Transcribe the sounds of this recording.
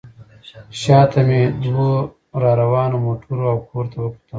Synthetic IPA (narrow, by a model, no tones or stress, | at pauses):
ɕaːt̪amed̪wo | ɾaːɾɐwɑːnomoːʈʰuɾoawkʰoːɾt̪awəpu̥t̪əm